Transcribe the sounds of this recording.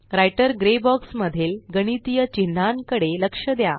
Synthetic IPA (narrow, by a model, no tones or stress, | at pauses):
ɾajʈəɾɡɾebɔksməd̪ʱilɡəɽ̃it̪ijət͡ɕin̤ːaŋkəɽeləkʂəd̪ja